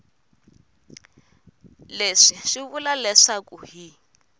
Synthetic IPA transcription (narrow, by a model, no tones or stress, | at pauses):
leʂiʂiβulalɛʂakʼuhi